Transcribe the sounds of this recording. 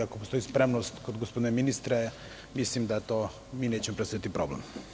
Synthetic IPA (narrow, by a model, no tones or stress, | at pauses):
akopost̪o̞ispɾemnost̪kod̪ɡospod̪ineminist̪ɾe | mislimd̪at̪o | miːneːt͡ɕemopɾest̪oit̪ipɾoblḛm